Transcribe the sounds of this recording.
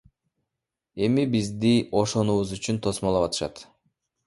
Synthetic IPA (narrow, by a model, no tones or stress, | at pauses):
e̞mibizd̪iʔo̞ʃo̞nuβuzyt͡ʃynt̪ʰo̞smolˠɑpɑt̪ɯ̥ʃɑ̰t̪